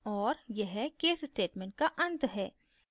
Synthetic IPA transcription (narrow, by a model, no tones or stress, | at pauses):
ɔːɾjɛɦkeːsɪsʈeːʈmẽːɳʈ̚kaʔɐ̃nt̪ɦɛː